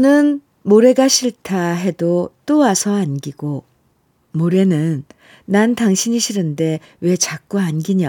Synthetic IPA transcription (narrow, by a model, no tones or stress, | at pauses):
nɯn | moɾe̞ɡaɕʰiɭtʰaɦe̞dot͈oasʰʌanɡiɡo | moɾe̞nɯnː | antaŋɕʰiɲiɕʰiɾɯnde̞ | we̞t͡ɕak͈̚uanɡiɲa